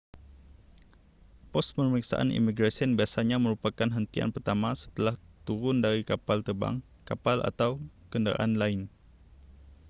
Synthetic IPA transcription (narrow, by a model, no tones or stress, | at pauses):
pɔs̚pəməɾiksa̰ʔa̰nḭmiɡɾasiənbiasaɲamə̃ɾupakanɦənt̪ia̰npərt̪amasə̥t̪əlaht̪uɾʊndaɾikapalt̪əba̰ŋ | kapalʔa̰t̪awkəndəɾa̰ʔanlaɪn